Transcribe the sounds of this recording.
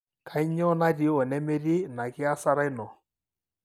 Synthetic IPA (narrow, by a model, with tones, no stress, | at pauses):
kʰa˨˦i˦ɲɔ˦na˦di˨˦ɔ˨nɛ˦me˦ɾi˦na˨kɪ˦a˦sa˦ɾa˦i˦nɔ˨